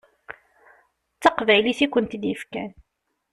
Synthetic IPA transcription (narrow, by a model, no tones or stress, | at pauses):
t͡sːɑqvæjliθikʷənt̪d̪jəfkæ̰n